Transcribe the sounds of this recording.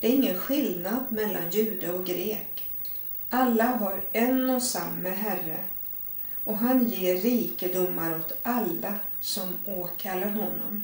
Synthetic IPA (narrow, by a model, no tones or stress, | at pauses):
d̪ɛæɾɪŋːənɧɪld̪nad̪mɛlːa̰njʉ̟ːd̪aɔɡɾeːk | ʔalːaɦaɾɛnɔsamːəɦærə | ɔɦanjeːiːkəd̪ʊmːaɾɔt̪alːasɔmoːkʰalːaɾɦɔnːɔ̰m